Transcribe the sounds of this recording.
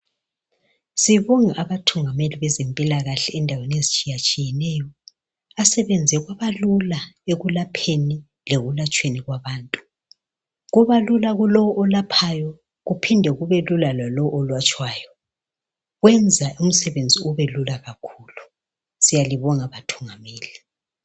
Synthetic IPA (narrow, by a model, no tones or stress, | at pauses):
siβɔŋaʔaβatʰuŋameliβɛzempʼilaɣaɬɛːndʱawenezit͡ʃʼijat͡ʃʼijɛnɛjɔ | asɛβɛnd͡zʱɛɣwaβalulaeɣulapʰeni | leɣulat͡ʃʼweniɣwaβaːntʼu̥ | ɣuβalulaɣulɔwɔʔɔlapʰajɔ | ɣupʰindʱɛɣuβelulalwalɔwɔʔɔlwat͡ʃʼwaːjɔ | ɣwɛnd͡zʱaum̩sɛβend͡zʱiuβelulaɣakʰuːlu | sijaliβɔŋaβatʰu̥ŋameːli